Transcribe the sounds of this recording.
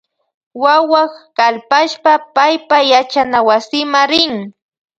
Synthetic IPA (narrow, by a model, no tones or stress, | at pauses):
wawaχkalpaʃpapajpajat͡ʃanawasɪmaɾɪŋ